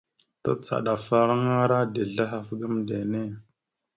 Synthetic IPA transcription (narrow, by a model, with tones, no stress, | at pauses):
ta̰˦t͡sa̰˨ɗa˨fa˦ɾa˦ŋa˦ɾa˦de˨ɮa˦ɦa˨fɡa˦mde˨ne˦˨